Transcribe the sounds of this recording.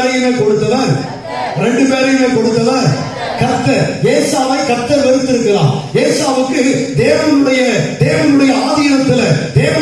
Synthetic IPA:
ɾɐjɪnɐkɔɽɯt̪ːɐlaːɾ | ɾɛɳɖɯpeːɾɐjɪnɐkɔɽɯt̪ːɐlaɾ | kɐt̪ːɐjeːsaːʋɐɪkɐt̪ːɐʋɛɾɯt̪ːɪɾɯkːɐla̰ːmjeːsaːʋɯkːɯd̪eːʋɐnɯɽɐjɐd̪eːʋɐnɯɽɐjɐaːðiːɾɐt̪ːɪlɐd̪eːʋɐ

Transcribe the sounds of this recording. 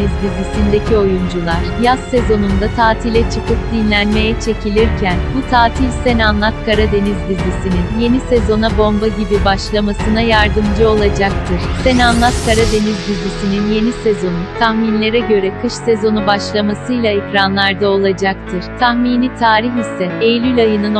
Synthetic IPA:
bizbizisind̪e̞cio̞jund͡ʒulˠaɾ̥jasːe̞zo̞nund̪at̪ʰaːt̪ʰilʲɛt͡ʃʰɯkʰɯp̚d̪̥inlʲænme̞jɛt͡ʃʰe̞cʰilʲiɾcʰænbut̪ʰaːt̪ʰilʲsenanlˠat̪̚kaɾad̪e̞nizbizːisininje̞nisezo̞nabo̞mbaɟibibaʃlˠamasɯnajaɾd̪ɯmd͡ʒɯo̞lˠad͡ʒak̚t̪ʰɯɾ̥senanlˠat̪kaɾad̪e̞nizbizːisininje̞nisezo̞nut̪ʰahminlʲe̞ɾɛɟø̞ɾɛkʰɯʃsezo̞nubaʃlˠamasɯjlˠaikɾanlˠaɾd̪ao̞lˠad͡ʒak̚t̪ʰɯɾ̥t̪ʰaxmiːnit̪ʰaːɾiçisɛejlʲylʲajɯnɯn

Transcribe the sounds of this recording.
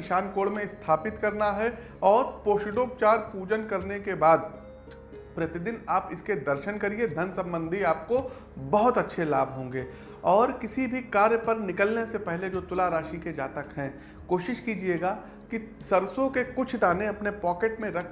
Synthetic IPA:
ɪʃaːnkoːɽmẽɪst̪ʰaːpɪt̪kɐɾnaɦɛ | ɔːɾpoːʃɪɖoːp̚t͡ʃaːɾpuːd͡ʒənkɐɾnekebaːd̪ | pɾɐt̪ɪd̪ɪnaːpɪsked̪ɐɾʃənkɐɾied̪ʱɐnsɐ̃mbə̃nd̪ʱiaːpko | bɐɦʊt̪ɐtːʃʰelaːbʱɦõːŋɡeː | ɔːɾkɪsibʱikaːɾjəpɐɾnɪkəlnesepɛɦled͡ʒoːt̪ʊlaɾaːʃiked͡ʒaːt̪əkɦɛ̃ | koːʃɪʃkid͡ʒieːɡaː | kisɐɾsõkekʊt͡ʃʰd̪aːneɐpnepɔːkeʈmẽɾɐkʰ

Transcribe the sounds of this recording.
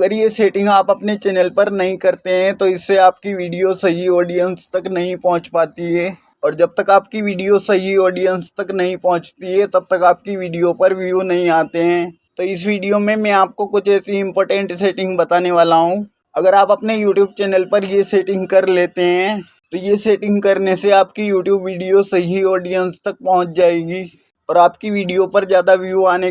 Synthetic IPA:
ɐɡəɾjeseːʈɪ̃ŋɡaːpɐpnet͡ʃɛːnəlpɐɾnɐɦĩkɐɾt̪eɦɛ̃t̪oɪsːeaːpkiʋiːɖijosɐɦiɔːɖijənst̪ɐknɐɦĩpɔɦʊ̃t͡ʃpaːt̪iɦɛː | ɔːɾd͡ʒɐb̚t̪ɐkaːp̚kiʋiːɖijosɐɦiɔːɖijənst̪ɐknɐɦĩpɔɦʊ̃t͡ʃt̪iɦɛt̪ɐb̚t̪ɐkaːp̚kiʋiːɖijopɐɾʋijunɐɦĩaːt̪eɦɛ̃ː | t̪oɪs̬ʋiːɖijomẽmɛ̃aːp̚kokʊt͡ʃʰɛːsiɪ̃mpɔːɾʈə̃ɳʈseːʈɪ̃ŋɡbɐt̪aːneʋaːlaɦũː | ɐɡəɾaːpɐpnejuːʈjuːb̚t͡ʃɛːnəlpɐɾjeseːʈɪ̃ŋɡkɐɾleːt̪eɦɛ̃ː | t̪ojeseːʈɪ̃ŋɡkɐɾneseaːpkijuːʈjuːbʋiːɖijosɐɦiɔːɖijə̃nst̪ɐk̚pɐɦʊ̃t͡ʃd͡ʒaːeːɡiː | ɔːɾaːp̚kiʋiːɖijopɐɾzjaːd̪aʋjuaːne

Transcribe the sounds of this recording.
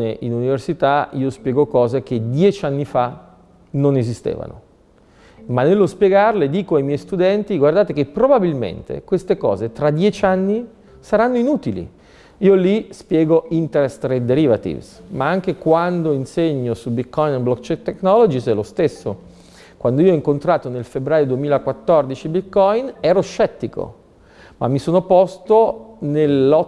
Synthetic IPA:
neʔinuniversit̪aiːospjɛːɡokɔːzek̟ed̪jɛt͡ʃanːifa | nonezist̪ḛːva̰no̰ | manːelːospjeɡarled̪iːkoajmjɛjst̪ud̪ɛnt̪iɡward̪aːt̪ekepːɾobabilmḛnt̪ḛkwest̪ekɔ̰ːzet̪ɾad̪jɛt͡ʃanːi | saɾanːoinuːt̪ilḭ | iːolispjɛːɡoint̪eɾest̪ɾed̪eɾivat̪ḭvsmaaŋk̟ekwand̪oinseɲːosubit̪̚kːɔjneblɔkt͡ʃɛt̪ːeknɔlod͡ʒisɛlost̪esːo̰ | kwand̪oiːoɔiŋkont̪ɾaːt̪onelfebːɾaːjod̪uemiːlakwat̪ːɔrd̪it͡ʃibit̪kɔjnɛːɾoʃɛt̪ːiko̰ | ma̰mːisoːnopɔst̪onelɔ

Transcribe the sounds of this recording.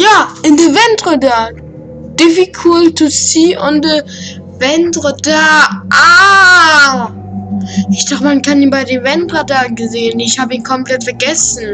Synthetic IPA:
jaːʔɪndəvɛntʁadaː | d̥ɪvikʰultʰusiːʔʊndə | vɛntʁədaʔa | ʔɪçd̥aχtəmankaniːnbaɪdeːvɛntʁadaːɡəzeːənɪçhaːbəiːnkʰɔmpl̥ɛtfɛɐɡɛsn̩

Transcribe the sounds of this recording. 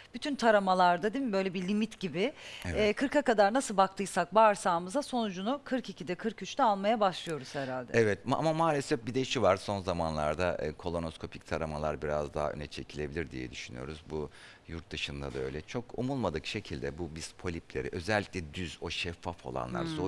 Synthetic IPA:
b̥yt̪ʰynt̪ʰaɾamalˠaɾd̪ad̪imimbø̞jlʲɛbilʲimit̪ɟibɪɛːkʰɯɾkakad̪aɾnasɯlˠbak̚t̪ʰɯjsak̚baɾsaːmɯzaso̞nud͡ʒunukʰɯɾkicʰid̪ɛkʰɯɾkyt͡ʃt̪ɛalˠmajabaʃlˠɯjo̞ɾuz̥hɛɾalʲd̪ɛɛvɛt̪a̰mamaːlʲesɛfbid̪ɛiʃivaɾso̞nzamanlˠa̰ɾd̪aʔkʰo̞lˠo̞noskʰo̞pʰi̥c̚t̪ʰaɾamalˠaɾbiɾa̰zd̪a̰ɦa̰ø̰nɛt͡ʃʰe̞cʰilʲe̞bilʲiɾd̪ḭjɛ̰d̪yʃyny̰jo̞̰ɾuzbu | juɾt̪̚d̪ɯʃɯnd̪a̰d̪aø̞jlʲɛt͡ʃʰo̞kumulˠmad̪ɯkʃe̞cʰilʲd̪ɛbubispʰo̞lʲiplʲḛɾḭʔø̞zɛlʲːiclʲɛd̪yzo̞ʃɛfːafo̞̰lˠa̰nlˠa̰ɾso

